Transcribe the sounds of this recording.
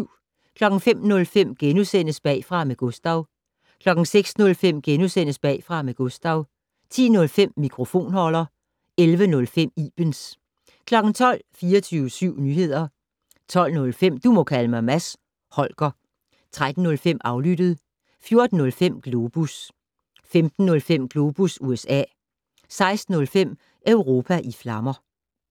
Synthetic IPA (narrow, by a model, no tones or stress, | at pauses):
kʰlɒ̽ɡ̥n̩fem̰nɔ̽lfem̰ɡ̥enusen̰əsb̥ɛ̰ːfʁɑ̈meɡ̥ɔsd̥ɑ̈ʊ | kʰlɒ̽ɡ̥n̩seɡ̥snɔ̽lfem̰ɡ̥enusen̰əsb̥ɛ̰ːfʁɑ̈meɡ̥ɔsd̥ɑ̈ʊ | t͡sʰḭːnɔ̽lfem̰ːikʰʁo̝fo̝̰ːnhɒl̰ɐ | elʋənɔ̽lfem̰iːb̥əns | kʰlɒ̽ɡ̥n̩t͡sʰɒ̽l̰fiːɐt͡sʰyːʊsyʊ̰nyːhe̝ð̞̰ˠɐ | t͡sʰɒ̽l̰nɔ̽lfem̰d̥umɒ̽kʰæləmɑɪmæs | hɒ̽lɡ̥ɐ | t͡sʰʁad̥n̩ːɔ̽lfem̰ʔɑ̈ʊlyd̥əð̞̩ˠ | fjo̝ɐd̥n̩ːɔ̽lfem̰ɡ̥lo̝ːb̥us | femd̥n̩ːɔ̽lfem̰ɡ̥lo̝ːb̥usuesɛ̰ː | sɑ̈ɪsd̥n̩ɔ̽lfem̰ | ʔœʊʁo̝ːpʰæʔiflɑ̈mɐ